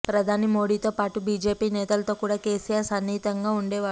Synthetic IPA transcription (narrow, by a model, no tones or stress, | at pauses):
pɾɐd̪ʱaːnimo̞ːɽiːt̪o̞ːpaːʈubiːd͡ʒe̞ːpiːnɛːt̪ɐlɐt̪o̞ːkuːɽaːkeːsijaːɾsɐnːiːt̪ɐŋɡaːuɳɖeːʋaː